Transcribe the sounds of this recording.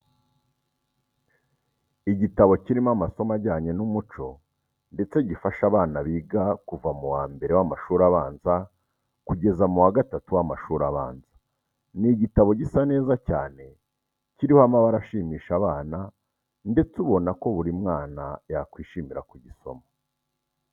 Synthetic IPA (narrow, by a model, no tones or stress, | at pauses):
iɟitaβo̞ciɾimamaso̞maɟaːɲenumut͡ʃo̞ | nde̞t͡se̞ɟifaʃaβaːnaβiːɡakuvamuwaːmbe̞ɾe̞wamaʃuːɾaβaːnza | kuɟe̞zamuwaɡatatuwamaʃuːɾaβaːnzḁ | niɟitaβo̞ɟisane̞ːzacaːne̞ | ciɾihoamaβaɾaʃiːmiːʃaβaːna | nde̞t͡suβo̞nako̞βuɾimŋaːnajakwiːʃiːmiɾakuɟiso̞̰ma